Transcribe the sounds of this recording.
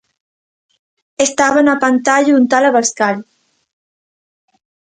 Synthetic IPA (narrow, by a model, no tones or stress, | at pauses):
est̪aβanapant̪aʎaunt̪alaβaskaʎ